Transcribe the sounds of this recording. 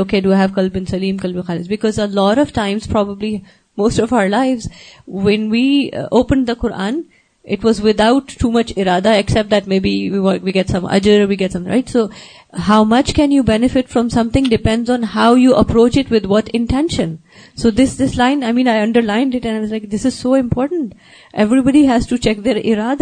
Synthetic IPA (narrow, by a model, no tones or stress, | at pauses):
oːkeːduɦævkʌlbɪ̃nsɐlĩːmkʌlbɪ̃nxaːlɪsbɪkɔzəlɔːɾɔʋ̥ʈãɪ̃mz̥pʰɾɔbəbli | moːstɔvaʊə˞laɪʋzwɛ̃nʋiːoːpə̃nɖ̚d̪əqʊɾʔã̰ːn | ʔɪʈwɔzʋɪd̪aʊʈʰːuːmʌt͡ʃɪɾaːd̪aɛksɛp̚t̚d̪æʈ̚meɪbiwiwɔ̃wiɡɛʈsʌ̃mʌ̰d͡ʒəɾʋiɡɛtsʌ̃mɾa̰ɪʈsoː | ɦaʊmʌt͡ʃkɛ̃njuːbɛnɪfɪʈfɾɔ̃msʌ̃mt̪ɪ̃ŋɖɪpɛ̃nɖzɔ̃n̩haʊjuʔəpɾoːt͡ʃɪʈwɪd̪wʌʈɪ̃nʈɛ̃nʃə̃n | soːd̪ɪsd̪ɪslãɪ̃naɪmĩːnaɪʌ̃ɳɖəɾlãɪ̃nɖɪʈɛ̃naɪʋʌzlaɪk̚d̪ɪsɪz̥soːɪ̃mpʰɔːɾʈn̩ʈ | ʔɛvɾibɑɖiɦæz̥ʈut͡ʃɛk̚d̪eɾʔɪ̰ɾaːd̪a